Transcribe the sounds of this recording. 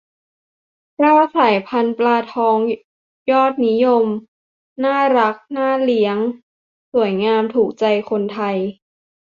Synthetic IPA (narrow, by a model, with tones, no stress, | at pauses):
kɾaː˥˩saː˩˦jpʰa˧nplaː˧t̪ʰɔː˧ŋ | jɔː˥˩t̪̚ni˦˥jo˧m | naː˥˩ɾa˦˥k̚naː˥˩li˦˥əŋ | su˩˦ə˦jŋaː˧mt̪ʰuː˨˩k̚t͡ɕa˧jkʰo˧nt̪ʰa˧j